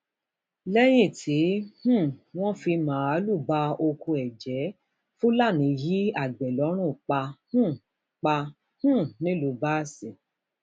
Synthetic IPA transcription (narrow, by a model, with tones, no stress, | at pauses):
lɛ˦j̃ĩ˦˨tʰi˨˦hũ˦˨w̃ɔ̃˦fi˧mãː˨˦a˨˦lu˦˨ba˧˦o˧kʰu˧ɛ˨d͡ʒɛ˨˦ | fũ˦la˦˨nĩ˨˧˦ji˦a˦˨ɡ͡bɛ˨lɔ˨˦ɾ̃ũ˦˨k͡pa˧hũ˦˨ | k͡pa˧ | hũ˦˨nĩ˨˦lu˨˧˨ba˦si˨